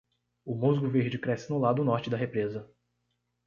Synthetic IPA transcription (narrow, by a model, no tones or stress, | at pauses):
ʊmuzɡʊveɾd͡ʒɪkɾɛsɪnʊlad̪ʊnɔɾt͡ʃɪd̪ɐɦepɾezɐ